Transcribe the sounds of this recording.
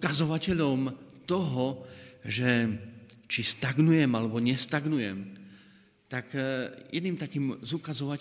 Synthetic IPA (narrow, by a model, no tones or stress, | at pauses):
kazɔʋacɛʎɔmt̪ɔɦɔʒɛ | t͡ʃist̪aɡnujɛmalɛbɔɲɛst̪aɡnujɛm | t̪akjɛd̪niːmt̪akiːmzukazɔʋa